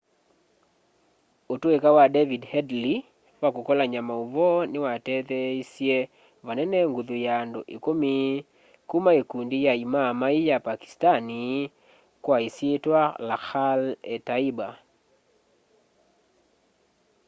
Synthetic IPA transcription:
otoekawadɛvidhɛdli | wakokɔlaɲamauvɔnɪwatɛt̪ɛisjɛ | vanɛnɛŋɡuðojando̰ʔekomi | kumaekundijaimamaijapaki̥stani | kwaisjetwalaxalɛtaiba

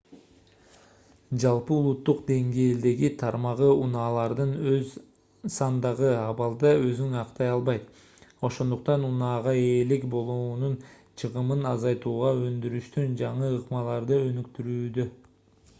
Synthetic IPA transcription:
d͡ʒɑlˠpɯulˠut̪ːuqd̪e̞ŋɡe̞ːld̪e̞ɡit̪ʰɑɾmɑʁɯunɑːlˠɑɾd̪ɯnøz | sɑnd̪ɑʁɯɑβɑlˠd̪ɑø̞zyŋɑqt̪ɑjɑlˠβɑjt̪ | o̞ʃo̞nd̪uq̚t̪ɑnunɑːʁɑe̞ːlikbo̞lˠuːnun | t͡ʃʰɯʁɯmɯnɑzɑjt̪uːʁɑø̞nd̪yɾyʃt̪ynd͡ʒɑɴɯːqmɑlˠɑɾd̪ɯø̞nykt̪yɾyːd̪ø

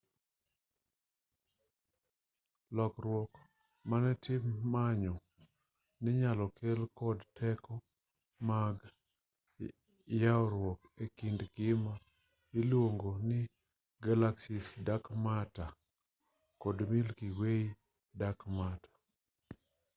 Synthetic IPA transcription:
lɔkɾwɔk | manɛtʰɪmːaɲɔ | nɪɲalɔkelkɔdtʰɛkɔ | maɡ | jaɔɾwɔkekindɡɪma | ɪlwoŋɡonɪ | ɡalaksɪsdakmata | kɔdmɪlkiwei | dakmatḁ

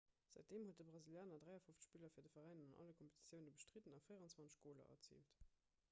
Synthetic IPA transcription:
z̥æɪt̚d̥eːmhot̚dəbʁɑziljaːnɐdʁæɪɐfoft͡sə̥ʃpiːlɐfiːɐdəfɐʁæɪnənɑnʔɑ̰ləkʰɔmpetʰi̥t͡ssjəʊnəbəʃtʁitənɑfəɪəʁɑnt͡sv̥ɑnt͡sə̥ʃɡ̥oːlɐ̰ʔɐ̰t͡sḭːlt

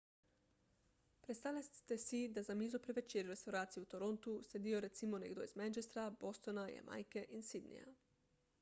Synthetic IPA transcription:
pɾest̪alest̪esid̪azamiːzopɾeʋet͡ʃeɾuɾest̪awɾaːt̪sijeut̪oɾo̞nt̪used̪ioɾet̪simonḛɡd̪oizmɛnt͡ʃest̪ɾabost̪onaja̰mʔa̰jkeʔinsid̪nḭja̰

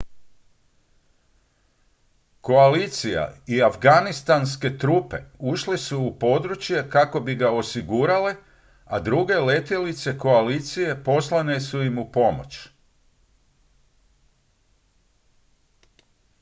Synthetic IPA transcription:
ko̞alit̪sija̰iafɡanist̪anske̞t̪ɾuːpe̞̰uʃlesuupo̞d̪ɾut͡ɕje̞kako̞biɡao̞siɡuɾale̞ | ad̪ɾuɡe̞le̞t̪elit̪se̞ko̞aliːt̪sije̞po̞slˠane̞suimupo̞mo̞̰t͡ɕ

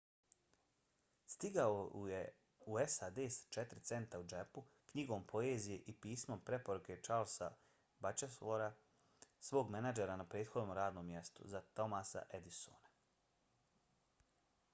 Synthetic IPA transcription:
st̪iɡaoje | uesaːd̪eːst͡ʃet̪ɾit̪se̞nt̪aud͡ʒepu | kɲiɡo̞ːmpʰo̞eːzije̞ʔipiːsmo̞mpɾe̞po̞ɾuke̞t͡ʃaːlsa | bat͡ʃesloɾa | sʋo̞ːɡmenad͡ʒeɾanapɾeːd̪xo̞d̪nomɾaːd̪no̞ːmːje̞st̪ṵzat̪o̞masa̰ʔed̪iso̰na

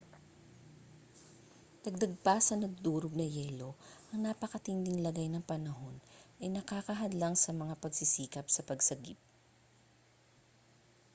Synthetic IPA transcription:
t̪ɐɡ̚d̪ɐɡ̚pɐsɐnɐɡ̚d̪uːɾoɡ̚nɐjɛːlo̞ʔɐŋnapɐkɐt̪ɪnd̪ɪŋlɐɡajnɐŋpɐnɐɦo̞nʔɐjnɐkaːkɐɦɐd̪laŋsɐmɐŋapɐɡsɪsiːkɐp̚sɐpɐɡsɐɡip̚

